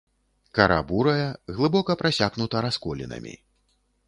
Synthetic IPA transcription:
kɐɾʔa̰buɾɐjɐɣlˠɨbɔkɐpɾasʲaɣnut̪ɐɾaskɔlʲḭnɐ̰mʲḭ

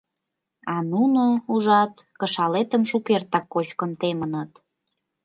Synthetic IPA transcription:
ɑnunouʒɑt̪kəʃɑlet̪əmʃukert̪ɑkːot͡ɕkənt̪emənət̪

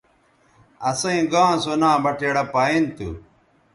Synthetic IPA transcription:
ɐsɐĩɡãːsonaːbɐʈeɽɐpaint̪ṵ

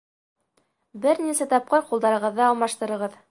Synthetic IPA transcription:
bɘɾnisæt̪ɑp̚qɤɾqulˠd̪ɑɾɤ̆ʁɤ̆ðːɑːlˠmɑʃt̪ɤ̆ɾɤ̆ʁɤð

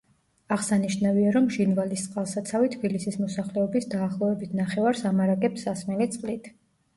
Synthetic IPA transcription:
aʁsaniʃnaviaɾɔmʒinvalist̪sʼqʼalˠsat̪sʰavit̪ʰb̥ilisismɔsaχlɛɔbisd̪aːχlˠɔvɛbit̪ʰnaχɛvaɾsamaɾakʼɛpsːasmɛlit̪sʼqʼlit̪ʰ

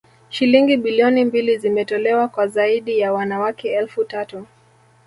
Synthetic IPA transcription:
ʃiliŋɡiɓiliɔnimbilizimɛtɔlɛwakwazaiɗijawanawakɛɛlfutatu

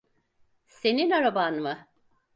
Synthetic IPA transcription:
seninaɾabanmɯ

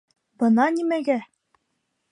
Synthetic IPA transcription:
bɤ̆nɑnimæɡæ

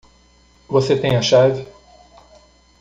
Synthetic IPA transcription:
voset̪ẽj̃ɐʃavɪ

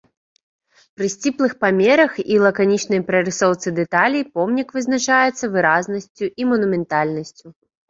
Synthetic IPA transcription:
pɾɨsʲt͡sʲiplˠɨxpamʲɛɾɐxilˠɐkanʲit͡ʂnɐjpɾɐɾɨsɔwt̪sɨd̪ɛt̪alʲijpɔmnʲikvɨzn̪at͡ʂajɛt̪sːɐvɨɾaznɐsʲt͡sʲuʔimɐnumʲɛnt̪alʲnɐsʲt͡sʲu

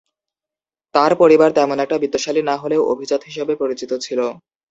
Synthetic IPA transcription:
t̪aɾpoɾibaɾt̪ɛmonɛk̚ʈabid̪ːoʃalinaɦoleoo̰bʱid͡ʑod̪ɦiʃ̬ebepoɾit͡ɕit̪ot͡ɕʰilo

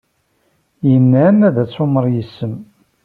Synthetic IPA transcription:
jənːænæðæt͡sːʊməɾˤjəsːəm

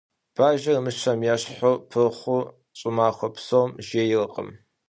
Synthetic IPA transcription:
b̥aːʒɐrmɨʃʰɐmjɛɕħopʰɨrχʷʊ | ɕʼɪmaːxʷɔpsomʒeːjɪrɨqʼə̰m

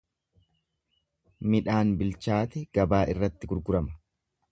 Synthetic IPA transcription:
mɪᶑaːnbɪlt͡ʃaːt̪ɛɡ̥ɐbaːʔɪrːɐt̪ːɪɡʊɾɡʊɾɐmɐ̥

